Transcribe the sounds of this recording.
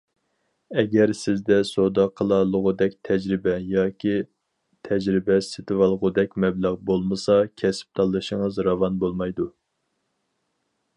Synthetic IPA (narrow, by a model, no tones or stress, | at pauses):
ɛɡʲɛɾsɪzd̪ɛsod̪ɑqʰəlˠɑlˠəʁʊd̪ɛkʲt̪ʰɛd͡ʒɾɪbɛjɑːkʲi | t̪ʰɛd͡ʒɾɪbɛsɪt̪ʰɨwɑlˠʁʊd̪ɛkʲmɛblæʁbolˠmɨsɑkʲʰɛsɪ̥p̚t̪ʰɑlˠːɨʃəŋəzɾɑvɑnbolˠmɑjd̪u